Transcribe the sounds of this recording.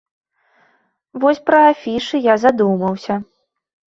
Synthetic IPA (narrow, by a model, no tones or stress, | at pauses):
vɔsʲpɾɐafʲiʂɨjazad̪umɐwsʲɐ